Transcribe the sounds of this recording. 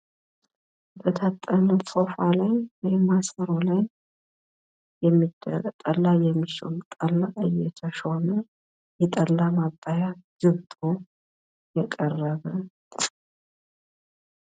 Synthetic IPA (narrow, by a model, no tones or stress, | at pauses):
bət̪ʰat̪ʼːənəsofalajwɔjmasəɾolaj | jɛmːid̪ːə̰ɾt̪ʼəlːajɛmːiʃɪ̰lt̪ʼəlːaʔɨjːɛt̪ʰəʃonə | jɛt̪ʼəlːamabʼːajaz̥ɨβt̪ʼo | jɛkʼərːəβə